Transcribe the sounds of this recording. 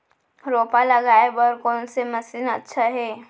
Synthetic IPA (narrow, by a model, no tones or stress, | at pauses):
ɾoːpalɐɡaːebɔɾkɔːnsemɐsiːnətːʃʰaɦɛː